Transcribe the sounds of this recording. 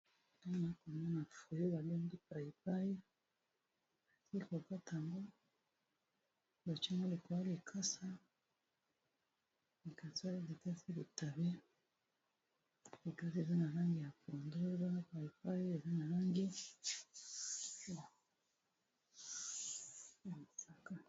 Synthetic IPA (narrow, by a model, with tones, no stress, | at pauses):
ta˦na˨˦ko˨ma˦na˨fu˨jo˦βa˨lo˦ŋdi˦pa˨i˨p̚a˦ji˦˨ | si˦ko˨ka˦ta˨mbo˦ | ba˨t͡ʃi˦ŋo˦li˨ko˨a˦li˨kʰa˦sa˦ | li˨ka˨sa˦li˦li˨ka˦si˦li˨ta˨βe˦ | li˨ka˦si˦e˨za˦na˨la˦ŋɡi˨ja˨po˨ndo˦e˨za˦na˦pa˨i˨pa˦ji˦e˨za˦na˨la˦ŋɡi˦ | a˨ | ja˨m˨sa˨ka˦